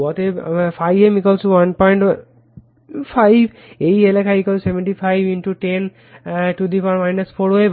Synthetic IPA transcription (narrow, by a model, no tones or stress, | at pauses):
ɔt̪efʰajemikɔlsuwanpɔjɳʈ | pʰajb | ejelakaikɔlseʋeɳʈipʰajbinʈuʈen | ʈud̪ipaɾmajnɐspʰoɾoeb